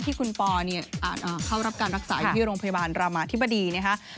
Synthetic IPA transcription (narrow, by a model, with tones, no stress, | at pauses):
t̪ʰiː˥˩kʰu˧npɔː˧ni˥˩ɐʔa̰ː˨˩t̪̚ʔaː˨˩kʰa˥˩wɾa˦˥p̚kaː˧nɾa˦˥k̚saː˩˦u˥˩ɾoː˧ŋpʰa˧ja˧aː˧nɾaː˧maː˧t̪ʰi˦˥bːa˧diː˧na˦˥kʰa˦˥ʔ